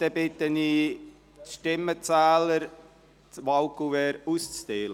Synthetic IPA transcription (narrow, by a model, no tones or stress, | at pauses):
d̪̥ɛbɪt̪əniː | ʃtɪmːət͡sæːləɾ | tʋalkuɛːɾust͡st̪eːlə